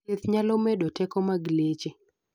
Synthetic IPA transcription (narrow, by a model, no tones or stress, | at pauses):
et̪ɲalomedotɛkɔmaɡlet͡ʃe